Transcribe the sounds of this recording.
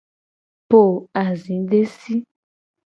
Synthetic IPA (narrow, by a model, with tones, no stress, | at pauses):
po˦˨a˨zĩ˨˦ɖe˦si˦